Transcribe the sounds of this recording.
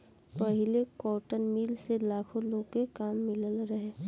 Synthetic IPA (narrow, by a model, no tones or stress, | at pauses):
pɐɦɪlekɔːʈənmiːlselaːkʰõloːɡkekaːmːɪləlɾɐɦeː